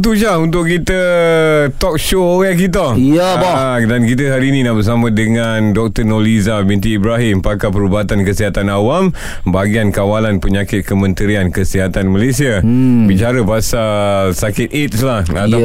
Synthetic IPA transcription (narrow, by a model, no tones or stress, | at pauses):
t̪̬ud͡ʒaunt̪̬ʊkkit̪ə | t̪ɔk̚ʃooɣɛk̬it̪̬a | dankit̪̬əɦaɾiːnĩnaʔbəs̬amãdəŋandɔk̚t̪ənolizabint̪̬iːbɾaɦɪmpakapəɾubaat̪ankəsiɦat̪anawam | baɡiankawalanpəɲakɪt̪̚kəmə̃nt̪əɾiankəsiɦat̪anmalesiabit͡ʃaɾəpasasakɪt̪̚et̪̚slahat̪